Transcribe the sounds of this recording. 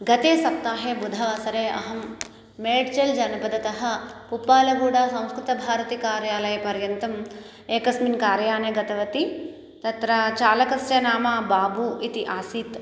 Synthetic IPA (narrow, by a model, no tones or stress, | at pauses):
ɡɐt̪eːsɐp̚t̪ːaːɦeːbud̪ʱɐʋɐsɐɾeːɐ̰ɦɐmː | eːɖt͡ʃɐld͡ʒɐnɐpɐd̪ɐt̪ɐɦɐ̆pupaːlɐɡuːɽaːsɐ̃w̃skɾut̪ɐbʱaːɾɐt̪ikaːɾjaːlɐjɐpɐɾjɐnt̪ɐm | eːkɐsminkaːɾjaːneːɡɐt̪ɐʋɐt̪i | t̪ɐt̪ɾaːt͡ʃaːlɐkɐsjɐnaːmaːbaːbuit̪iʔaːsiːt̪